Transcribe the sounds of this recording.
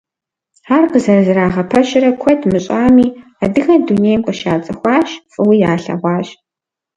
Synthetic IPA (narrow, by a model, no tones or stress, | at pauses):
aːrqəzɐrɐzɨraːʁɐpʰɐʃɪɾɐkʷʰɔtʰmɨɕʼaːmiːadɨxɐduneːjmqʼəʃaːt͡sʼɐxʷɑːɕfʼɨwiːjaːɬɐ̰ʁʷɑːɕ